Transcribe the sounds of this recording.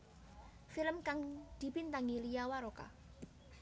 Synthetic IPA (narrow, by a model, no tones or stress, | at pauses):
filəmkaŋd̪̥i̤pint̪aŋilijawaɾoka̰